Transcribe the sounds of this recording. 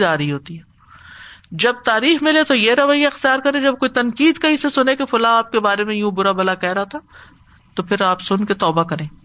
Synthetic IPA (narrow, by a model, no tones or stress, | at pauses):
d̪aːɾɐɦiɦoːt̪iɦɛː | d͡ʒɐb̚t̪aːɾiːxmɪlet̪ojeɾɐʋajːaɪxt̪ijaːɾkɐɾẽd͡ʒɐb̚koːit̪ɐnkiːd̪kɐɦisesʊnẽkefʊlaaːp̚kebaːɾemẽjũːbʊɾabɐlakɛɦɾat̪a | t̪opʰɪɾaːpsʊnket̪ɔːbakɐɾẽː